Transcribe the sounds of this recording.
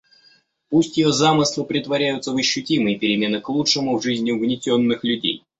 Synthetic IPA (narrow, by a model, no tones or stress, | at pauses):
pusʲtʲjɪjozamɨslˠʊpɾʲɪt̪vɐɾʲæjʊt̪səvəɕːʊtʲimɨjəpʲɪɾʲɪmʲe̞nɨklˠutʂɨmʊvʐɨzʲnʲɪʊɡnʲɪtʲo̞nːɨxlʲʉdʲḛj